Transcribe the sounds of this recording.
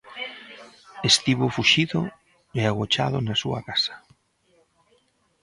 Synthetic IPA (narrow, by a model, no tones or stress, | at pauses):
est̪iβʊfuʃiðʊ | eaɣot͡ʃa̰ðʊnasua̰kasḁ